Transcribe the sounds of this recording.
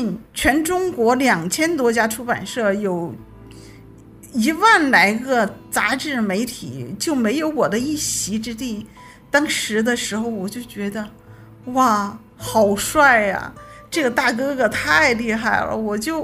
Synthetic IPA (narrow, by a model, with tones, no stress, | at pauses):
nt͡ɕʰɥɛ˧˥nʈ͡ʂʊ˥ŋkwɔ˧˥ljɑ˨˩ŋt͡ɕʰjɛ˥nt̪̬wɔ˥t͡ɕja˥ʈ͡ʂʰu˥pa̰˨˩nʂɤ˥˩jo˨˩ʊ | i˧˥wa˥˩nla˧˥ɪɡə˧t͡sa˧˥ʈ͡ʂɻ̩˥˩me˧˥ɪt̪ʰḭ˨˩˦t͡ɕjo˥˩ʊme˧˥ɪjo˧˥ʊwɔ˨˩d̪ə˦i˥˩ɕi˧˥ʈ͡ʂɻ̩˥t̪̬i˥˩ | t̪ɑ˥ŋʂɻ̩˧˥d̪ə˧ʂɻ̩˧˥xo˧ʊwɔ˨˩t͡ɕjo˥˩ʊt͡ɕɥɛ˧˥d̪ə˧ | wa˥˩ | xɑ˨˩ʊʂwa˥˩ɪɐ̰˩ʈ͡ʂɤ˥˩ɡə˩t̪a˥˩kɤ˥ɡə˨˩t̪ʰa˥˩ɪli˧˥xa˥˩ɪlə̰˩wɔ˨˩t͡ɕjo˥˩ʊ